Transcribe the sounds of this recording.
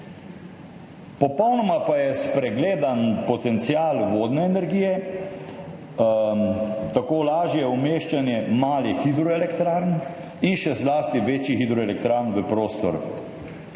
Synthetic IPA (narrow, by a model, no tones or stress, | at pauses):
pɔpɔwnɔmapajɛspɾɛɡleːd̪anpɔt̪ɛnt̪siaːlʋoːd̪nɛːnɛɾɡiːjɛ | t̪akoːlaːʒjɛumeːʃt͡ʃanjɛmaːlixid̪ɾɔɛlɛkt̪ɾaɾn | inʃɛzlaːst̪iʋeːt͡ʃixid̪ɾɔɛlɛkt̪ɾaːɾnʋəpɾoːst̪ɔ̰ɾ